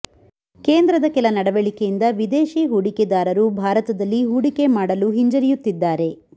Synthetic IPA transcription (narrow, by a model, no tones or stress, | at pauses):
ke̞ːnd̪ɾɐd̪ɐkɛlɐnɐɽɐʋeɭikejind̪ɐʋid̪eːʃiɦuɽiked̪aːɾɐɾubʱaːɾɐt̪ɐd̪ɐlːiɦuːɽikemaːɽɐluɦiɲd͡ʒɐɾijut̪ːid̪ːaːɾe̞